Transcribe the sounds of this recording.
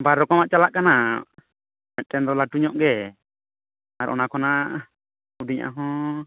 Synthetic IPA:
baɾːɔkɔmaʔt͡ʃalaʔkana | mɛt̚ˀʈɛnd̪ɔlaʈuɲɔʔɡɛ | aɾʔɔ̰nakʰɔna | udiɲʔa̰ɦɔ̃

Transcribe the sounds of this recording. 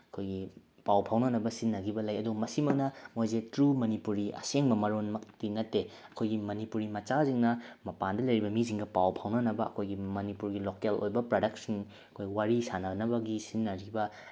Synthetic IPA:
ɐkʰojɡi | pawpʰawnɐnɐbɐsinːɐɡibɐlajɐdumɐsimɐk̚nɐmojzetɾumɐnipuɾiɐ̰seŋbɐmɐɾonmɐk̚tinɐtːe | ɐkʰojɡimɐnipuɾimɐt͡ʃaziŋnɐmɐpandɐlɐjɾibɐmiziŋɡɐpawpʰawnɐnɐbɐɐ̰kʰojɡimɐnipuɾɡilokelo̰jbɐpɾodɐk̚siŋ | ɐkʰojɡiwaɾisanɐɡnɐbɐɡisinːɐɾibɐ

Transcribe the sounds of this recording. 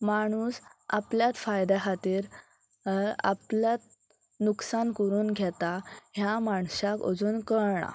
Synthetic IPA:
maɽ̃uːsa̰pljat̪fajd̪aɦat̪iːɾ | a̰pljat̪̚ | nuksankəɾuːnɡʱɛt̪aɦjamaɳsako̰d͡zuːnkəɾɳa̰

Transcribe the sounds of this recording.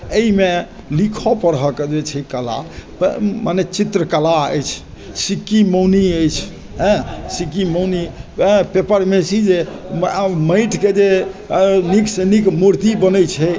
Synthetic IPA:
əime | likʰɔpəɾɦəkd͡ʒet͡ʃʰɛkəla̰pmanet͡ʃit̪ɾəkəlaəjt͡ʃʰ | sikimowniəjt͡ʃʰ | ɦɛ̃sikimownipepəɾmesid͡ʒe | məjʈked͡ʒe | niksenikmoɾt̪ibənəjt͡ʃʰɛ

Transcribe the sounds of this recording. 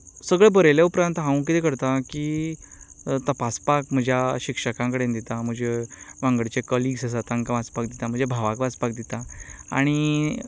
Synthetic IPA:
səɡɭebəɾeljaupɾãnt̪ɦãw̃k̬it̪ẽkəɾt̪aki | t̪əpaspakm̤əd͡ʑʱjaɕikʂəkãŋkəɽend̪it̪am̤əɡd͡ʑeʋãŋɡəɽt͡ɕekɔliːɡsəs̬at̪ãŋkaʋat͡spakd̪it̪am̤ə̃d͡ʑjebʱaʋakʋaspak̚d̪it̪aa̰ɽ̃i

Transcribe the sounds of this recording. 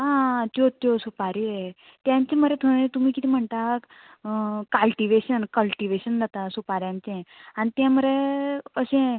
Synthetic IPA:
ɦãt͡ɕjot̪josupaɾie | t̪jãɲt͡ɕẽm̤əɾet̪ʰoɽet̪um̤iːkit̪ʰiːm̤əɳt̪ak | kalʈiʋeɕənkəlʈiʋeɕənd͡zat̪asupaɾjãɲt͡sẽanit̪jãməɾeəɕẽ

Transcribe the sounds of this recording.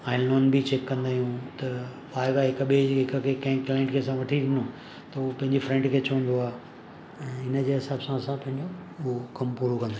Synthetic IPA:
ãːɪlɔːnbit͡ɕeːkːɐ̃nd̪aːɦijũt̪ɐ | ʋaːɪʋaɦɪkɓeɦɪkkʰekɐ̃ɦɪ̃klaɪ̃ɳʈkʰeːɐsãʋɐʈʰiɾɪ̃nõ | t̪ɐʊpɐ̃ɦɪ̃ɲd͡ʑifɾɛ̃ɳʈkʰeːt͡ɕɐʋə̃nd̪oaː | ɛ̃ːɪnə̆d͡ʑeːɦɪsaːbsãɐsãpɐ̃ɦɪ̃ɲd͡ʑookɐmpuːɾokɐ̃nd̪ã

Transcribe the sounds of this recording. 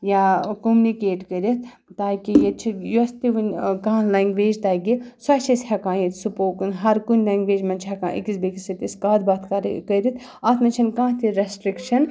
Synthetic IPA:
jakomnikeːʈkəɾit̪̚ʰ | t̪aːkijet͡ʃʰijust̪iʋɐnʲkãːlaːŋɡʋeːd͡ʒt̪aːɡisɐt͡ʃʰishɐkãːjit̪supoːkunɦɐɾkunlaːŋɡʋeːd͡ʒmɐnt͡ʃʰɦɛkã̰ːʔḭkisbekisɐt̪iskaːd̪baːt̪ʰkaɾ̰kəɾit̪ʰ | ɐt̪ʰmɐt͡ʃʰɐnkãːt̪ʰiɾesʈɾikʃɐn

